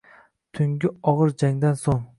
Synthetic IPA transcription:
t̪ʰʊŋɡʲɪɒʁɨɾd͡ʒaŋd̪ansoŋ

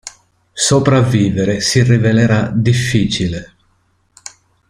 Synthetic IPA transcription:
sopɾavːiːveɾesirːiveleɾad̪ifːiːt͡ʃile

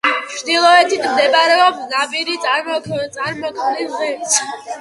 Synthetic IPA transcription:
t͡ʃʰd̪ilˠɔɛt̪ʰit̪ʰmd̪ɛpʼaɾɛɔbsnapʼiɾit̪sʼat̪sʼaɾmɔkʰmnilmɛs

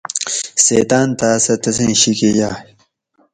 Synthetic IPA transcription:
seːt̪aːnt̪aːsɐt̪ɐsẽɕikejaː

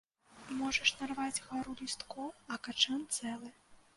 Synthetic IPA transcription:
mɔʐɐʂnarvad͡zʲɣaɾulʲist̪kɔɐkat͡ʂɛnt̪sɛlˠɨ

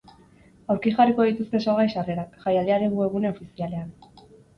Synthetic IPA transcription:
awɾkiʝariko̞ðit̪ust̪esoɣajʃare̞ɾakʝajald̪eaɾeŋɣue̞ɣ̞une̞ofisiale̞an

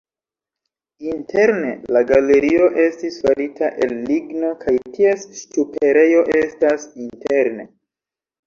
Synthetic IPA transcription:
intʰe̞ɾne̞laɡale̞ɾio̞ʔe̞stisfaɾitʰaʔe̞lːiɡno̞kʰajtʰiesstupe̞ɾe̞jo̞ʔe̞stasinte̞ɾne̞

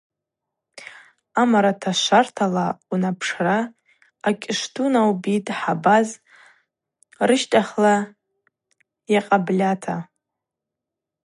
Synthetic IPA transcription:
amaɾatʰaʃʷartʰalaunapʰʂraː | kʲʼɪʂtʰunawbitʼħabaz | rɨʃtʼaχla | jaqʼablʲatʰa

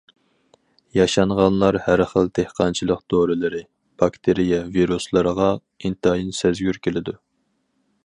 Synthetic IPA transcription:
jɑʃɑɴʁɑnlˠɑɾhæɾχəlˠt̪ʰehqʰɑnt͡ʃʰilˠəqd̪̥oɾɨlɪɾɪ | b̥ɑkt̪ʰeɾijɛviɾuslˠəɾəʁɑ | int̪jinsɛzɡʲyɾkʲʰelɪd̪u

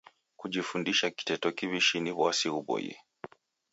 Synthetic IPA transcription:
kuʄifundiʃaki̥tɛtɔkiβiʃiniβwasiuɓɔ̰jḭ

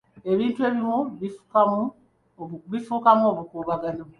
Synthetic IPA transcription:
eβiːntue̞βimoβifu̥kamu | βifuːkamoːβukuːβaɡano

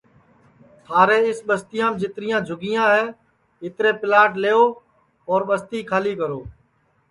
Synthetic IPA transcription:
t̪ʰaːɾeːɪsɓəst̪ɪjãːmd͡ʒɪt̪ɾɪjãːd͡ʒʱʊɡɪːjãːɦɛː | ɪt̪ɾeːpɪlaːʈleːoː | ɔːɾɓəst̪iːkʰaːliːkəɾoː

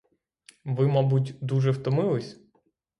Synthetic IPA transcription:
ʋɪmɑbutʲd̪uʒɛwt̪ɔmɪlˠɪsʲ

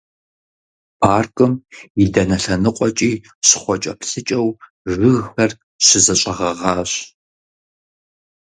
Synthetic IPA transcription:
pʰaːrkʼɨmidɐnɐɬɐnɨqʷʼɔt͡ʃʼiː | ɕɪ̥χʷɔt͡ʃʼɐpɬɨt͡ʃʼɐw | ʒʷʊɣxɐr | ɕɪzɐɕʷʼɐʁɐʁɑːɕ

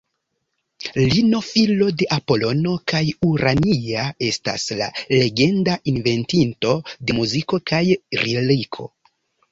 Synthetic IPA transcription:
lino̞filo̞de̞ʔapo̞lo̞no̞kajuɾʔaniae̞sta̰sla̰le̞ɡe̞ndaʔinve̞ntinto̞de̞muziko̞kajɾelikʰo̞̰

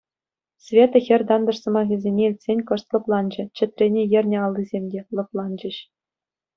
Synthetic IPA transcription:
sʲvʲet̪ɤ̆xʲɘ̆rʲd̪ɑnd̪ɤ̆ʂsɤ̆mɑɣʲĭzʲenʲeilʲtʲsʲenʲkɤ̆ʂt̪lˠɤ̆plˠɑnd͡ʑɘ̆t͡ɕɘ̆t̪ʲrʲenʲejɘ̆rʲnʲɘ̆ɑlˠːizʲemʲdʲelˠɤ̆plˠɑnd͡ʑɘ̆ɕ

